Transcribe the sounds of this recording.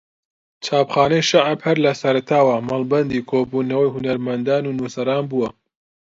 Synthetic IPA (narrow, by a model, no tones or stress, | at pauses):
t͡ʃʰaːpχaːnɐjʃaʕabhɐɾlɐsɐɾɐt̪ʰaːwɐmɐlˠbɐnd̪iːkʰoːbuːnɐwɐjɦunɐɾmɐnd̪aːnuːnuːsɐɾaːnbuwɐ